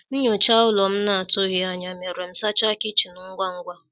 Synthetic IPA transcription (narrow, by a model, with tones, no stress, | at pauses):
n̩˦ɲ˦o˨t͡ʃa˦ʊ˦lɔ˨m̩˦na˨a˨tʊ˦ɣɪ˨a˨ɲa˨me˨ɾe˨m̩˦sa˦t͡ʃa˦kɪ˦t͡ʃi˨nʊ˨˦ŋ̩˦ɡʷa˦ŋ̩˦ɡʷa˦